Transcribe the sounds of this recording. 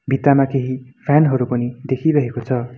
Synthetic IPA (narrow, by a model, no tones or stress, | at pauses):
bʱit̪amakeɦipʰanɦʌɾupʌnid̪ekʰiɾʌɦekot͡sʰʌ